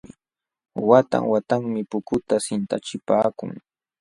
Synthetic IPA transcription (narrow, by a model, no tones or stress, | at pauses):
ɪ | wat̪a̰ŋwat̪aŋmɪpʊkʊt̪asɪnt̪at͡ʃɪpaːkʊ̰ŋ